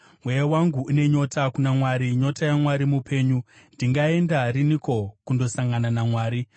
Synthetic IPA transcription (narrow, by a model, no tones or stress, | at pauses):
mwejewaŋɡuune̞ɲo̞takunamwaɾiɲo̞tajamwaɾimupe̞ːɲu | ndiŋɡae̞ndariniko̞kundo̞saŋɡananamwaːɾi